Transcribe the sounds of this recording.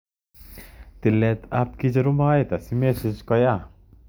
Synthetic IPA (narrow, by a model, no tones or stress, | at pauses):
t̪ilɛt̪ʰap̚kid͡ʒɐɾumajt̪asimesid͡ʒkɔja